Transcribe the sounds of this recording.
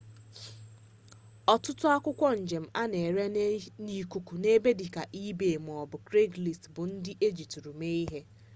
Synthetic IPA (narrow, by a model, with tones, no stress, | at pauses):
ɔ˨tʊ˦tʊ˦a˦kʷʊ˦kʷɔ˦n̩˨d͡ʒe˨m̩˦a˦ne˨ɾe˦ni˨ku˨ku˨ne˦be˦dɪ˨ka˨ʔi˦be˨m˨ɔ˨bʊ˨kɾe˦ɡli˨stbʊ˨n̩˦dɪ˦ʔe˦d͡ʒi˨tɾu˨me˦i˦ɦe˦